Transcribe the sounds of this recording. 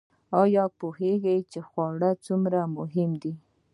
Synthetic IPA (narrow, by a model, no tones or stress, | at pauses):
ɑjɑpoheɡajt͡ʃexwɑɽat͡sumɾamʊɦɪmd̪i